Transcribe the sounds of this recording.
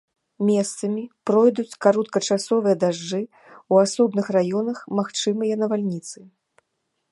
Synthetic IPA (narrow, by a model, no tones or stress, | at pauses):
mʲɛst̪sɐmʲipɾɔjd̪ut͡sʲkaɾɔt̪kɐt͡ʂasɔvɨjɐd̪aʐɨ | uasɔbnɨxrajɔnɐxmaxt͡ʂɨmɨjɐnɐvalʲnʲit̪sɨ